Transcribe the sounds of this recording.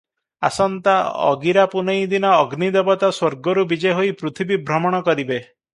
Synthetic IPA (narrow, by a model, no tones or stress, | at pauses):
a̰sɔnt̪aɔ̰ɡiɾapunejd̪inɔːɡnid̪ebɔt̪aswɔɾɡɔɾubid͡ʒeɦoipɾut̪ʰibibʱɾɔmɔɽ̃ɔkɔɾibe